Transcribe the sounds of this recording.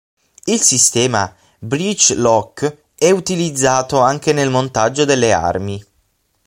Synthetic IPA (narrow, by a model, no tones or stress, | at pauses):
ilsist̪ɛːma | bɾit͡ʃlɔkː | ɛut̪ilid̪zːaːt̪oaŋk̟enelmont̪ad͡ʒːod̪elːea̰rmi